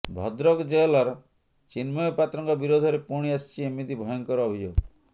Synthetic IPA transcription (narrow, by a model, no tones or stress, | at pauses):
bʱɔd̪ɾɔkd͡ʒelɔɾɔ | t͡ʃinmɔjɔpat̪ɾɔŋkɔbiɾod̪ʱɔɾepuɽ̃iast͡ʃʰiemid̪ibʱɔjɔŋkɔɾɔbʱid͡ʒo